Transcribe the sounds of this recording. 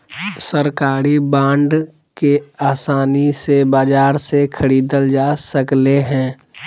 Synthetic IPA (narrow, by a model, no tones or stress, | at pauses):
səɾkaːɾibãːɳɖ | keaːsaːnisebaːd͡ʒaːɾsekʰəɾiːd̪əld͡ʒaːsəkleɦɛ̃ː